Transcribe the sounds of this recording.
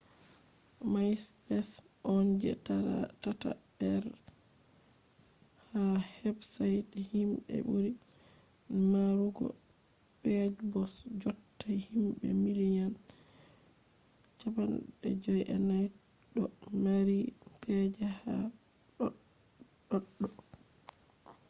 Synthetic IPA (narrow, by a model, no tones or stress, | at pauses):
majsbɛs | ʔɔnd͡ʒɛ̰tata̰ | dɛɾ | hahɛbsajthimbɛ̰buɾi | maɾuɡɔ̰ | bɛd͡ʒbɔsd͡ʒɔtʰːajhimbɛ̰milijan | t͡ʃabana̰ɛ̰d͡ʒɔjʔɛnajɗɔnaɾipɛd͡ʒaha | ɗɔɗːɔ